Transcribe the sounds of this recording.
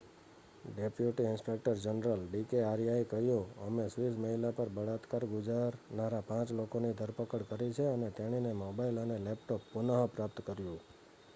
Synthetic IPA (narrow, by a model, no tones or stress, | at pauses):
ɖepjuʈiɪnspek̚ʈəɾd͡ʒənɾəlɖikeaɾijaikəɦjoəmesʋisməɦilapəɾbəɽat̪kaɾɡʊd͡ʒaɾnaɾapãt͡ʃlokonid̪ʱəɾpəkəɽkəɾit͡ʃʰeənet̪eɽ̃inemɔbailənelɛpʈopːʊnaɦəpɾapt̪kəɾjũ